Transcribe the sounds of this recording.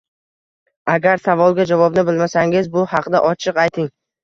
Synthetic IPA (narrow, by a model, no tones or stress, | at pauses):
aɡʲaɾsavɒlˠɡʲad͡ʒavɒbnɪbɪlmasaŋɪzbʊhɑqʰd̪aʔɒt͡ʃʰɨqɑjt̪ʰɪŋ